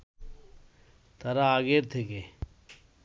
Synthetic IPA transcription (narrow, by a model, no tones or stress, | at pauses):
t̪ʰɐɾaaːɡeːɾt̪ʰeke